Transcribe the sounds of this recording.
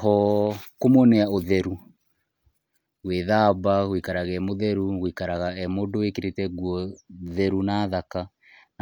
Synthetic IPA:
ɦɔkomonɛaoðɛɾu | ɣweðaβaɣwikaɾaɣɛmoðɛɾuɣwikaɾaɣaɛmodowekeɾetɛɣwɔðɛɾunaðaka | n

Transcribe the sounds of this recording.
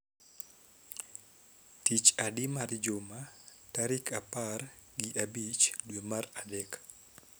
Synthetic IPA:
tit͡ʃadimard͡ʒoma | taɾikʰapar | ɡiʔabit͡ʃdwemaradɛk

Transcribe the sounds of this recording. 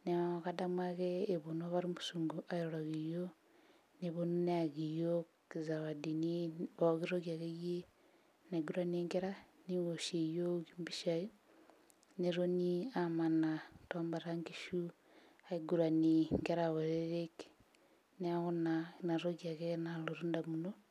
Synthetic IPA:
neaɣadamwaɣeːβonoβaɾimusuːŋɡuʔaiɾoɾaɣijo | neβononeaɣijo | kizaβadiniβoɣiɾoɣjaɣeɣje | naiɡuɾaneːŋɡeɾaniwoʃejoɣimbiʃai | neɾoniamanatombaɾaŋɡiʃu | aiɡuɾaniŋɡeɾaɣoɾeɾeke̥ | neaɣonanaɾoɣjaɣenaloɾundamuno

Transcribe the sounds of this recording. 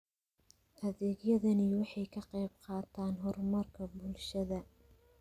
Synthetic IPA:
ʔɐðeːɡjɐðɐniwɑħɑjkʰɐqɑjb̚qɑːt̪ʰaːnɦɔrmɐrkʰɐbʊlʃɐðɐ

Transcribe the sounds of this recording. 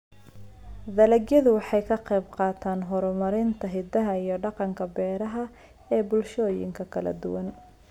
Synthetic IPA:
d̪ɐlɐɡjɐðʊwɑħɑjkʰɐqɛjbqɑːt̪ʰaːnɦɔɾɔmɐɾɪnt̪ʰɐɦɪd̪ɐɦɐijɞɖɑqɑŋkʰɐbɛːɾɐɦɐ | ɛːbʊlʃɔːjɪ̰ŋkʰɐkʰɐlɐ̰d̪ʊwɐn

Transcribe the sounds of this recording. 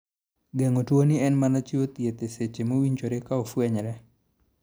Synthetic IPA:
ɡeŋotwonɪɛnmanat͡ʃiot̪jet̪eset͡ʃemowiɲt͡ʃoɾekaofwɛɲɾɛ

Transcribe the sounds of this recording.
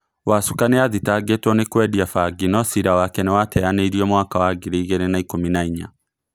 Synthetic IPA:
wasukaneaðitaɡetwɔnekwɛdiafaɡinɔsiɾawakɛnewatɛaneiɾiɔmwakawaɡiɾeiɣɛɾenaikominaiɲa̰

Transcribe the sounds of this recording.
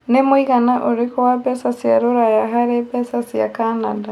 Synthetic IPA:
nemwiɣanaʔuɾikowapesasija̰ɾuɾajaɦaɾepesasija̰kanada

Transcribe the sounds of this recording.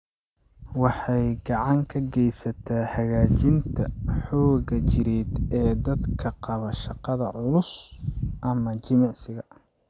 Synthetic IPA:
wɑħɑjɡɑʕɑŋkʰɐɡɛjsɐt̪ʰaːħɐɣaːt͡ʃɪnt̪ʰɐħɔːɣɐt͡ʃɪɾɛːd̪ɛːd̪ɐd̪kʰɐqɑβɐʃɑqɑðɐʕʊlʊsʔɐmɐt͡ʃɪmɑʕsɪɣɐ

